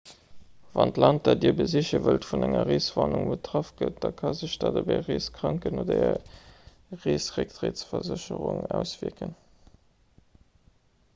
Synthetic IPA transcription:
vɑntlɑnt̚d̥ɑdiːɐbəziɕəvəltfunæŋɐʁeːsvɑːnuŋbətʁɑfɡ̥ət̚d̥ɑkʰɑzəɕd̥ɑdəbæɪʁeːskʁ̥ɑŋkənoːdɐɛ | ʁeːsʁek̚tʁeːtsfɐzəɕəʁʊŋæʊsv̥iəkən

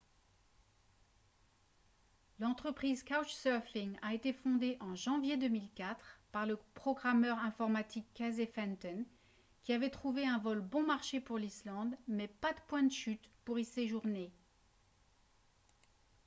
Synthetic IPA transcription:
lɑ̃t̪χəpχizkawt͡ʃsœʁfiŋaet̪efɔ̃d̪eʔɑ̃ʒɑ̃vjed̪əmilkʲat̪χpaʁləpχɔɡʁamœʁɛ̃fɔʁmat̪ikːazefɛnt̪ɔn | kʲiavɛt̪χuveɛ̃vɔlbɔ̃maʁʃepuʁlislɑ̃d̪mɛpad̪əpwɛ̃d̪əʃyt̪puʁiseʒuʁne

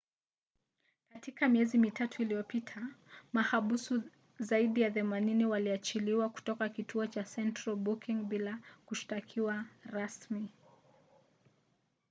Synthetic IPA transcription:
katikamiɛzimitʰatʰuilijɔpitʰamahaɓusu | zaiɗijaθɛmaniniwaliat͡ʃiliwaku̥tɔkakitʰuɔt͡ʃasɛntɾalbukiŋɓilakuʃi̥takʰiwaɾasmi

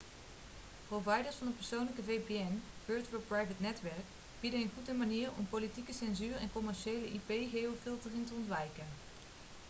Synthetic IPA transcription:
prowvɑjdəɹsfɑndəpəɹsownləkəvejpeɛnvøːɹtʋɛɹprɑjvətnɛtʋɛɹk | b̥idənənχutəmaniːɹɔ̰mpowlitikəsɛnzyːrɛ̰nkɔmɛɹʃejləʔipejχejowfɪlˠtərɪntəɔntʋɛjkən

